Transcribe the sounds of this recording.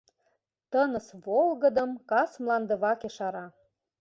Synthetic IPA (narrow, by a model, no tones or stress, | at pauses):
t̪ənəsβolˠɣə̆d̪ə̆mkɑsmlɑnd̪ə̆βɑkeʃɑɾɑ